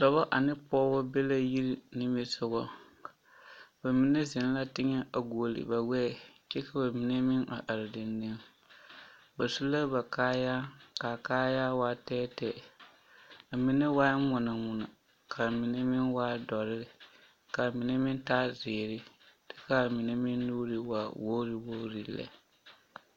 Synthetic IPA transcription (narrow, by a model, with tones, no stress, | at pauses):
sɔ˨βa˦ʔa˨nɪ˦pɔː˦bɔ˦be˦la˦ji˦ɾi˦nɪ˦mɪ˦sʊ˨ɣɔ˦ | ba˨mi˨ne˦zɪ˨n˦la˦tɪ˦ŋɛ˦a˨ɡu˨o˨lɪ̰˨ba˨wɛ˦˨t͡ʃɛ˦ka˨ba˨mi˨ne˦mɪ˦na̰˨ʔa˨ɾɪ˨dɪ˨nːe˦n | ba˨su˦la˦ba˨kaː˦ja˦ka˨kaː˦ja˦waː˦tɛː˦tɛ˨ | a˨mi˨˦ne˦waː˦mʊ˨na˨mʊ˨na̰˨ | kʰa˨mi˨ne˦mɪ˦nwaː˦dɔ˨ɾɪ˦ɾɪ˨ | ka˨mi˨ne˦mɪ˦n˦taː˦zeː˨ɾɪ˦ | dɛ̥˦ka˦˨mi˨ne˦mɪ˦nːuː˦ɾɪ˦wa˨wo˦ɾɪ˨wo˦ɾi˨lɛ̰˨˦